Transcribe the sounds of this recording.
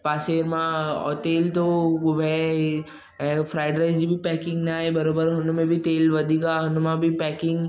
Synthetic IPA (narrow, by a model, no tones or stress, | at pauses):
paːseːɾmãɔ̰ːt̪eːlt̪oʋɛ | fɾaːɪɖɾaːɪzd͡ʒibʱipɛːkɪ̃ŋɡnaːebɐɾoːbəɾɦʊnumẽbʱit̪eːlʋɐd̪ʱikaɦʊnumãbʱipɛːkɪ̃ŋɡ